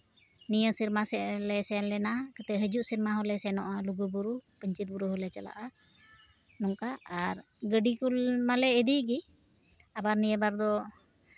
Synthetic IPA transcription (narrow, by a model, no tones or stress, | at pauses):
nijəsiɾmasɛlɛsɛanlɛnakət̪ɛɦəd͡ʒuʔsiɾmaɦɔlɛsɛnɔʔaluɡubuɾupəɲt͡ʃit̪̚buɾuɦɔlɛt͡ʃala̰ʔa | nɔŋkaːɾ | ɡəɖikulmalɛːd̪iɡi | abaɾnijəbaɾd̪ɔ